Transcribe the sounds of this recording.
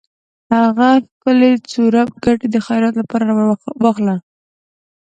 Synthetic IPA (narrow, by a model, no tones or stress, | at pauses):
haɣaxkəlet͡suɾap̚ɡaʈed̪əxajɾat̪lapɑɾaɾwaxla